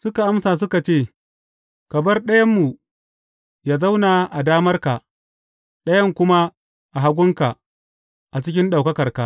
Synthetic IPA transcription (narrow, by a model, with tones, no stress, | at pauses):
sʊ˦ka˨ʔa˦msaː˨s̬ʊ˦ka˨t͡ʃeː˦˨ | kɐ˨bɐ˦rɗɐ˦jɐ˦mːu˨ | jaː˨za˦wnaː˨ʔa˨daː˦mɐ˦rka˨ | ɗɐ˦jɐ˦ŋkʷʊ˦ma˦ | ʔa˨ɦa˦ɡʷʊ˦ŋka˨ | ʔa˨t͡ʃɪ˦kʲɪ˦nɗa˨wkɐ˦kɐ˨rka˨